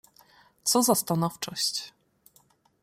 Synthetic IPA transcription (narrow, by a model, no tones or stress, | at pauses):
t̪sɔzast̪anɔft͡ʂɔɕt͡ɕ